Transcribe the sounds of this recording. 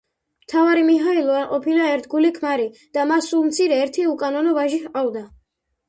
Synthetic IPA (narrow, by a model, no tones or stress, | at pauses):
mt̪ʰavaɾimiɦailˠɔaɾqʼɔpʰilaɛɾt̪ʰɡulikʰmaɾid̪̥amasːulˠmt̪sʰiɾɛːɾt̪ʰiukʼanɔnɔvaʒihqʼavd̪a